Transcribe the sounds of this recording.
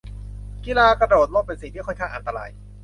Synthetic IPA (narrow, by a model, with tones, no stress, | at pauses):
ki˧laː˧kɾa˧doː˨˩t̪̚loː˥˩pe˧nsi˨˩ŋt̪ʰiː˥˩kʰɔ˥˩jkʰa˥˩ŋʔa˧nt̪a˧ɾa̰ː˧j